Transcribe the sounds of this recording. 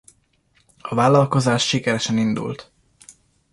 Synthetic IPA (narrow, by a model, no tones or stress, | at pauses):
ɒvaːlɒlko̞zaːʃʃikɛɾɛʃɛnind̪ṵlt̪